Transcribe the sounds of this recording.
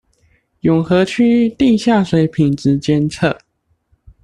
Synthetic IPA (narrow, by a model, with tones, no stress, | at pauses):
jʊ˨˩ŋxɤ˧˥t͡ɕʰy˥t̪i˥˧ɕja˥˩swe˨˧˥ɪpʰi˨˩nt͡s̩˧˥t͡ɕjɛ˥nt͡sʰɤ˥˩